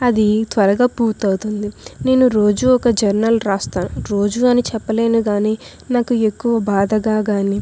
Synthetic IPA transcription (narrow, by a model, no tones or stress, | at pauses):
ɐd̪it̪ʋɐɾɐɡaːpuːɾt̪ɐwut̪und̪ine̞ːnuɾo̞ːd͡ʒuːɔkɐd͡ʒɐɾnɐlɾaːst̪aːnuɾo̞ːd͡ʒuːɐnit͡ʃɛpːɐle̞ːnuɡaːniː | naːkue̞kːuʋɐbaːd̪ɐɡaːɡaːniː